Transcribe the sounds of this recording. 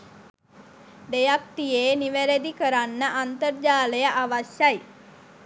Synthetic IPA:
d̪ejak̚t̪ijeːniʋeɾed̪ikəɾanːəʔant̪ərd͡ʒaːləjəʔaʋaʃjaj

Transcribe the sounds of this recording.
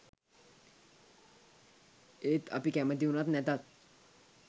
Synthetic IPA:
et̪a̰pikɛməd̪iwnat̪nɛt̪at̪̚

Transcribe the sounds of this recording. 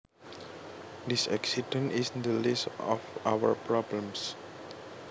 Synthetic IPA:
d̪isɛksidə̃nisĩnd̪əlistɔfawəɹpɹɔblə̃ms

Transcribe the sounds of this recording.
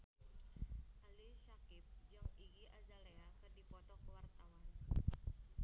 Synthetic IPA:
ʔaliʃakɪp̚d͡ʒamiɡiʔazaleakɨrdipɔt̪ɔkəwart̪awan

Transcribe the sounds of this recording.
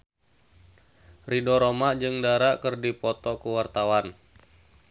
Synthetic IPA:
ridɔɾomaʔd͡ʒɨŋdaɾaʔkərdipɔt̪ɔkuwart̪awan

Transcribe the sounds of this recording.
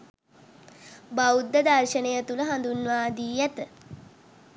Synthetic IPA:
baud̪ːəd̪arʃənejət̪uləɦand̪unʋaːd̪iːjat̪ə

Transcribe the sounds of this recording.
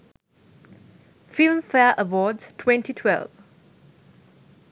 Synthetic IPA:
fɪlmfɛəʔəʋɔːɖz̥tʰwɛ̃ntitʰwɛ̰lv

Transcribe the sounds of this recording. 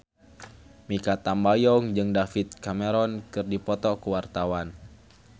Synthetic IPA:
mikat̪ambajɔŋd͡ʒɨŋdafit̪̚kamɛɾɔnkɨrdipɔt̪ɔkuwart̪awan

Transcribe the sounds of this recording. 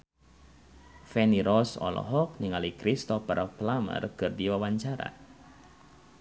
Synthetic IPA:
fɛniɾɔsɔ̰lɔ̰ɦɔk̚niŋalikɾist̪ɔpərplamə̰rkɨrdiwawaɲt͡ʃaɾa̰

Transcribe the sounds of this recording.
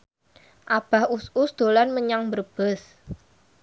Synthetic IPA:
ʔab̥a̤hususd̪̥o̤lanməɲaŋbərb̥əs

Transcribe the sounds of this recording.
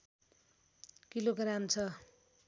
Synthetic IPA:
kiloɡramt͡sʰʌ

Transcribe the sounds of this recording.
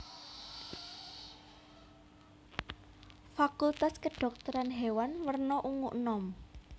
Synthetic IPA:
fakult̪askəɖ̥ɔ̤k̚t̪ɔɾanɦewanwərnɔʔuŋuʔnɔm

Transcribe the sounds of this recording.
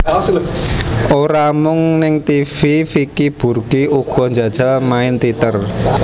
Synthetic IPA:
ʔoɾamʊŋnɪŋt̪ififikib̥urɡiuɡ̥ɔ̤ɲd͡ʒäd̥ʒ̥almaɪnt̪it̪ər

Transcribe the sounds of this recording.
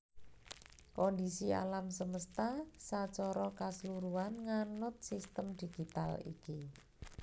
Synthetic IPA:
kɔnd̪isia̰lamsəməst̪asat͡ʃɔɾɔkasəluɾuanŋanʊt̪̚sist̪əmd̪̥i̤ɡ̥it̪a̰lḭki

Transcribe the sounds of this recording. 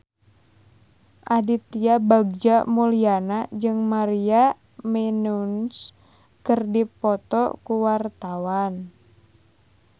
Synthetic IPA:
ʔadit̪iabaɡ̚d͡ʒamulianad͡ʒɨŋmaɾia | mɛnuns | kərdipɔt̪ɔ̰kuwart̪awan

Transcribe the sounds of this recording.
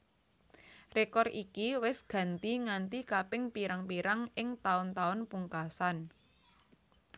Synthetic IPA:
rekɔrikiwɪsɡ̥ä̤nt̪iŋant̪ikapɪŋpiɾaŋpiɾaŋɪŋt̪aʊnt̪aʊnpuŋkasan

